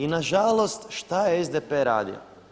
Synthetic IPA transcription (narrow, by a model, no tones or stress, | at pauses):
inaʒalˠost̪ʃt̪ajeezd̪epeɾa̰ːd̪ḭo̰